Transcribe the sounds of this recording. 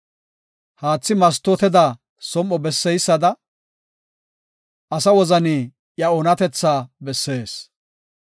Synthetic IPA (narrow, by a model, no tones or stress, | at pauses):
haːt͡sːɪmɐs̬t̪ːɔt̪ɛd̪a | sɔmːɔbɛsːɛjsːɐd̪ɐ | ʔɐsɐwɔzɐniː | jɐɔnɐt̪ɛt͡sːaːbɛsːe̞ːs